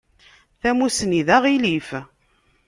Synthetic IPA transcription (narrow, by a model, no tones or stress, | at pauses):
θæmusniðaʁilif